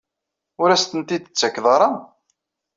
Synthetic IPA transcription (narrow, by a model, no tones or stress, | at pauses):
ʊɾæst̪ənt̪id̪t͡sːækːðˤɑɾˤɑ